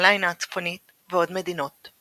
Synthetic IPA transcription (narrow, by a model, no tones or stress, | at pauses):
lajnat͡sfonit̪ | veo̞d̪med̪ino̞t̪